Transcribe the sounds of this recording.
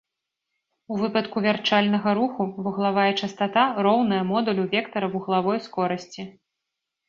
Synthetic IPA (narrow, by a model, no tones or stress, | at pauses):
uvɨpɐt̪kuvʲart͡ʂalʲnɐɣɐɾuxuvuɣlˠavajɛt͡ʂɐst̪at̪aɾɔwnɐjɐmɔd̪ulʲuvʲɛkt̪ɐɾɐuɣɐlˠavɔjskɔɾɐsʲt͡sʲi